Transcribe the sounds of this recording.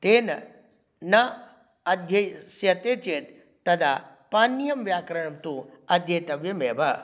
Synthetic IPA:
t̪eːnɐ | nɐ | ɐd̪ʱjɐjsjɐt̪eːt͡ʃeːt̪ː | ɐd̪a̰ː | paːnːjɐmʋjaːkɾɐɳɐmt̪uɐd̪ʱjɐːt̪ɐʋjɐmeːbɐ

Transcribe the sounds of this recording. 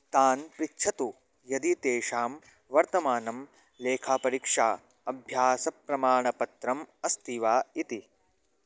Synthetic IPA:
t̪aːnpɾikt͡ʃʰɐt̪u | jɐd̪it̪eːʂaːm | ʋɐɾt̪ɐmaːnɐm | leːkʰaːpɐɾiːkʂaː | ɐbʱjaːsɐpɾɐmaːɳɐpɐt̪ɾɐmɐst̪iʋaːit̪i

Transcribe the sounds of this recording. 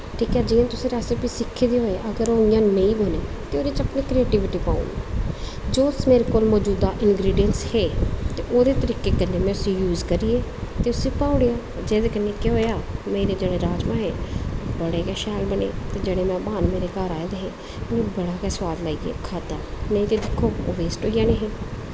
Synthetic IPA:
ʈʰiːkɛːd͡ʒiːãːt̪ʊsĩːɾaːseːpiːsɪkʰːeːd̪eːɦoːeʔəɡəɾoːijãːnə̃ĩːbəneːt̪eːoːd̪et͡ʃəpneːkɾeːʈiːʋɪʈiːpã̰ːṵ̃na | d͡ʒoːsmeːɾeːkoːlmɔːd͡ʒuːd̪aːʔɪnɡɾiːɖijənsheːt̪eːʔoːd̪eːt̪əɾiːkeːkənːeːmɛ̃ʊsĩːjuːzkəɾiːeːt̪eːʊsĩːpaːʊɽejaː | d͡ʒeːd̪eːkənːẽːkeɦoːjaːmẽːɾeːd͡ʒeːɽeːɾaːd͡ʒmãːɦɛːbəɽeːkɛːʃɛːlbənḛːt̪eːd͡ʒeːɽeːmɛ̃ːbaːnmeːɾeːkaːɾaːed̪eːɦeː | nẽːbəɽaːkɛːswaːd̪laːiːḛːkʰaːd̪anəĩt̪eːd̪ɪkʰːoːoːʋeːsʈoːijaːneːɦeː

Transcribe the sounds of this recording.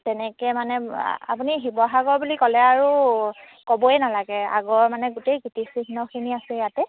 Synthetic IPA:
tɛnɛkɛmanɛa̰puniɦibɔɦaɡɔɹbulikɔlɛaɹu | kɔbɔɛnalaɡɛa̰ɡɔɹmanɛɡutejɡutisixnɔkʰiniasɛjatɛ

